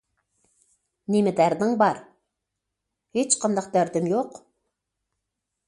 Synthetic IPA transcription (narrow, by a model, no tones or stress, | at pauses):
nemɪd̪æɾd̪ɪŋbɑɾ | het͡ʃqʰɑnd̪ɑq̚d̪æɾd̪ɪmjoq